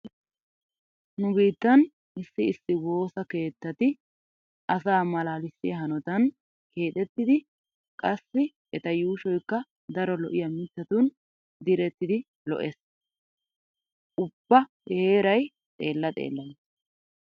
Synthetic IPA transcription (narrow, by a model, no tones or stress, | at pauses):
nʊbiːt̪ːɐn | ɪsːɪɪsːɪwo̞ːsɐke̞ːt̪ːɐt̪ɪ | ʔɐsaːmɐlaːlɪsːɪjɐɦɐnɔt̪ɐn | ke̞ːt̪ʼɛt̪ːɪd̪ɪ | kʼɐsːɪ | ɛt̪ɐjuːʃɔjkːɐ | d̪ɐɾɔlɔʔɪjɐmɪt̪ːɐt̪un | d̪ɪɾɛt̪ːɪd̪ɪ | lɔ̰ʔes | ʔʊb̥ːɐ | eːɾɐj | t̪ʼe̞̰ːlːɐt̪ʼḛːlːɐns